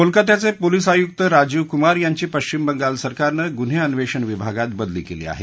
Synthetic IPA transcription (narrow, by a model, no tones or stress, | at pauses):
molkət̪jat͡sepolisajuk̚t̪əɾad͡ʑuʋkumaɾjaɲt͡ɕiːpəɕt͡ɕimbəŋɡalsəɾkaɾnəɡun̤eənʋeʂəɳʋibʱaɡat̪̚bəd̪lḭːkelḭːa̰ɦḛ